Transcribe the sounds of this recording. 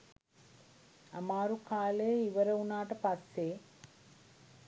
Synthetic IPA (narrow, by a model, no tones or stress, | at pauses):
amaːɾukaːlejiʋəɾɐunaːʈəpasːeː